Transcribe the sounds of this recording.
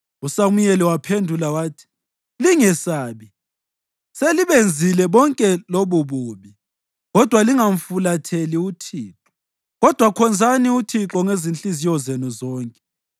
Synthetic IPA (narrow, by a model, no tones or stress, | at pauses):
usamujɛlɛwapʰendʱulawaːtʰi̥ | liŋɛsaːβi | seliβend͡zʱilɛβɔŋkʼɛloβuβuβi | ɣɔd̥ʱwaliŋaɱ̩fulatʰeliutʰiːǁɔ̥ | ɣɔd̥ʱwakʰɔnd͡zʱaniutʰiǁɔŋezint͡ɬizijɔzenuzɔːŋkʼɛ̥